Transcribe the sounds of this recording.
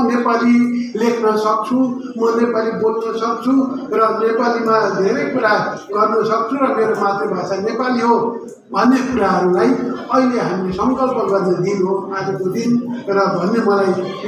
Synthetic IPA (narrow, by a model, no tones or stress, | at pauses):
nepalilekʰnʌsʌk̚t͡sʰu | mʌnepalibolnʌsʌk̚t͡sʰurʌnepalimaajd̪ʱeɾʌjkuɾaɡʌrnʌsʌk̚t͡sʰũrʌmeɾomat̪ribʱasanepaliɦo | bʱʌnːekuɾaɦʌɾulajʌileɦamilesʌŋkʌlpʌɡʌrned̪inɦoatekod̪inrʌbʱʌnːemʌlaj